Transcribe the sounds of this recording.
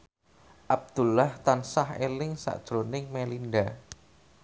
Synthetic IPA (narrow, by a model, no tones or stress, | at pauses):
ʔab̚d̪̥ṳlaht̪ansahelɪŋsa̰ʔd̥ʒ̥ɾonɪŋmelinɖa